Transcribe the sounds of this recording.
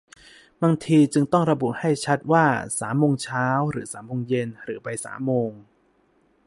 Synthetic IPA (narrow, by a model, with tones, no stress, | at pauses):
baː˧ŋt̪ʰiː˧t͡ɕɯ˧ŋt̪ɔ˥˩ŋɾa˧bu˨˩ha˥˩jt͡ɕʰa˦˥t̪̚waː˥˩saː˩˦mːoː˧ŋt͡ɕʰaː˦˥wɾɯː˩˦saː˩˦mːoː˧ŋje˧nɾɯː˩˦pa˧jsa̰ː˩˦mːoː˧ŋ